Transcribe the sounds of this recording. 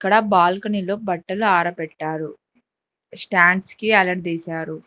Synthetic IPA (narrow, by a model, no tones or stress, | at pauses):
ɐkːɐɽɐbaːlkɐnilo̞ːbɐʈːɐluaːɾɐpɛʈːaːɾu | sʈaːɳɖskiɐlɐɖd̪eːsaːɾu